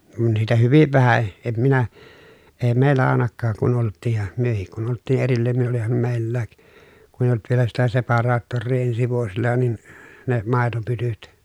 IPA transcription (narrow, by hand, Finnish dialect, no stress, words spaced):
kun niːtæ hyʋiʋ ʋæhæ em minæ eː meˑi̯lːæ ɑˑenɑkːɑːk kun oltˑiːj jɑ myøhik kun oltˑiː ʔerilːæːn ni olihɑm meˑi̯lːæːk kun eij̆ olt ʋielæ sitæ sepɑrɑːtːorːiː ensi ʋuosilːɑ nin ne mɑˑetopytyt